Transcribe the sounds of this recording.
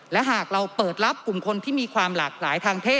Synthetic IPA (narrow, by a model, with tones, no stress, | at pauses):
lɛ˦˥ɦaː˨˩k̚ɾa˧wpɤː˨˩t̪̚ɾa˦˥p̚ku˨˩mkʰo˧nt̪ʰiː˥˩miː˧kʰwaː˧mlaː˨˩k̚laː˩˦jt̪ʰaː˧ŋt̪ʰeː˥˩